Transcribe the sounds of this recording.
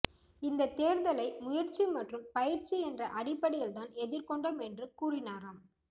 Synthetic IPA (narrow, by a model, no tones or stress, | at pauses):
ɪnd̪ɐt̪eːɾðɐlɐɪmʊjɐɾt͡ʃimɐʈrɯmpɐjɪɾt͡ʃiɛndrɐʔɐɽɪpːɐɽɪjɪlt̪aːnɛðɪɾkɔɳɖɐmɛndrɯkuːrɪnaːɾaːm